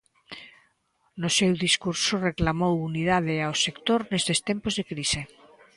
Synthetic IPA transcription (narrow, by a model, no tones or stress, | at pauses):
nosewðiskuɾsoreklamowunið̞að̞eaosekt̪oɾnesðest̪empozðekɾise